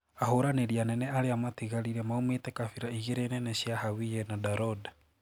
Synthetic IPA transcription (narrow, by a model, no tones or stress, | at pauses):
ahoɾaneɾianɛnɛaɾeamatiɣaɾiɾɛmaumetɛkafiɾaiɣeɾenɛnɛɕiahawijɛnadaɾɔda